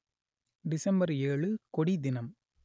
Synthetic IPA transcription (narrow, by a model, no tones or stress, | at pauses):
ɖɪsɐmbɐɾeːɭɯkɔɽid̪ɪnɐm